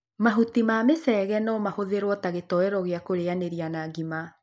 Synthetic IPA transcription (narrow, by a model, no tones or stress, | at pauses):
maɦutimamesɛːɣɛnɔmahoðeɾwɔtaɣetɔɛɾɔɣeakoɾeaneɾianaːɡima